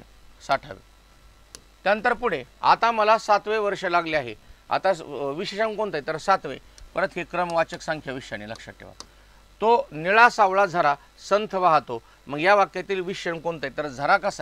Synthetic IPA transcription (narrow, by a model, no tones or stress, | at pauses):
saʈʰa̰ʋḛ | t̪jaənt̪əɾpuɽ̤ea̰t̪aməlasat̪ʋeʋəɾʂəlaɡleaɦea̰t̪aʋiɕeɕənkoɳt̪ajt̪əɾsat̪ʋe | pəɾənt̪ɦekɾəmʋat͡ɕəksãŋkʰjaʋiɕañiləkʂa̰ʈḛʋa̰ | t̪oniɭasaʋɭad͡zʱəɾa | sənt̪ʰəʋaɦt̪o | məɡjaʋakjat̪iːlʋiɕɕəɳkoɳt̪ajt̪əɾd͡zʱəɾakasa